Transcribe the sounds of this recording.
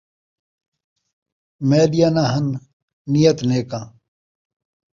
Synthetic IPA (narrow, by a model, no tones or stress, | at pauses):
meːd̪ijanaːɦɐnː | ijɐt̪neːkãː